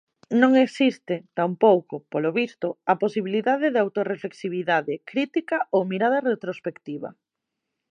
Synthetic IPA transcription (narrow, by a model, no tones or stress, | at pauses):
nõŋeksist̪ɪt̪ampowkopoloβist̪ʊaposiβiliðaðeðeawt̪orefleksiβ̞iðaðekɾit̪ikaowmiɾað̞ɐret̪ɾospekt̪iβɐ̰